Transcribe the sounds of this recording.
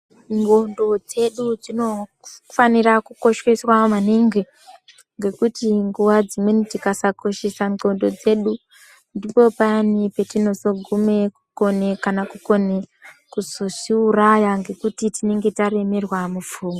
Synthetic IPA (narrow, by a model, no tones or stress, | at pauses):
ŋɡo̞ndo̞d͡ze̞ɗud͡zino | fanirakuko̞ʃweswamaneŋɡe | ŋɡe̞kutiŋɡuʋad͡zimwenitikasakoʃesaŋo̞ndo̞d͡ze̞ɗu | ndipo̞panipe̞tino̞zo̞ɡʱume̞kuko̞ne̞kanakuko̞nekuzoʐiurajaŋɡe̞kutitine̞ŋɡe̞tare̞me̞rwamufuːŋɡo